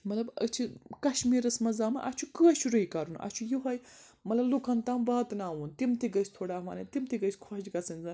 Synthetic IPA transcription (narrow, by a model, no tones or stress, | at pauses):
mɐt̪lɐbə̰t͡ʃʰikɐʃmiːɾɐsmɐzaːmɐ̰ʔɐt͡ʃʰukɨɐʃʰuɾɐikɐɾunʔɐ̰t͡ʃʰujuɦɐj | mɐt̪lɐblukɐnt̪aːmʋaːt̪naːuːnt̪imt̪iɡɐsʲt̪ʰoːɽaːmɐːnɐt̪imt̪iɡɐjsʲkʰod͡ʒɡɐsɐnʲzɐn